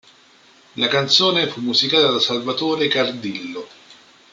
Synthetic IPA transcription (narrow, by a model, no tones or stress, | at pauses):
lakant̪soːnefumːuzikaːt̪ad̪asalvat̪oːɾekard̪ilːo